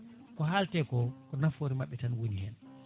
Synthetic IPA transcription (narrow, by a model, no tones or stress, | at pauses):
kɔɦaltɛkɔkɔnafoɾimaɓːɛtanwonihɛn